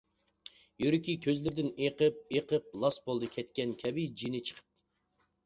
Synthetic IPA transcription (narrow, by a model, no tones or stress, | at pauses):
jyɾykʲikʲʰøzlɪɾd̪ɪneqəp̚eqʰəp̚lˠɑsbolˠd̪ɨkʲʰɛt̪̚kʲɛnkʲʰɛbɪd͡ʒinɪt͡ʃʰə̥qʰə̥p̚